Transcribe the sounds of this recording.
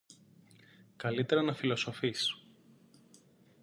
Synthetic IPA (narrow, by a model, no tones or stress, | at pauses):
kɐlit̪e̞ɾɐnɐfilo̞sofis